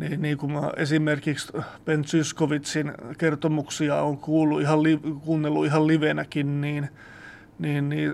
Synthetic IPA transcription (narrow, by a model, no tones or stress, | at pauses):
niːnniːŋkumesimerkikspent̪syskoʋit̪sinkert̪omuksiɑoːŋkuːlːuihɑllikuːnːelːuihɑlliʋenækinniːn | niːnniː